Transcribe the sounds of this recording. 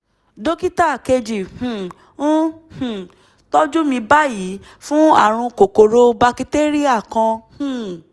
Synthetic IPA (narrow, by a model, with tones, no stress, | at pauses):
do˦ki˦ta˦˨ke˧d͡ʒi˨hũ˨ | ũ˦hũ˨ | tɔ˦d͡ʒu˦mĩ˧ba˦ji˨˦ | fũ˦a̰˦˨ɾ̃ũ˧ko˨ko˨ɾo˦ba˧ki˧te˦ɾi˦a˦˨kã˧hũ˦˨